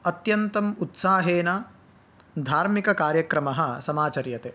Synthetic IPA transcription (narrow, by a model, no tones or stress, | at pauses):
ɐt̪jɐnt̪ɐmut̪saːɦeːna | d̪ʱaːɾmikɐkaːɾjɐkɾɐmɐɦɐ̆sɐmaːt͡ʃɐɾjɐt̪e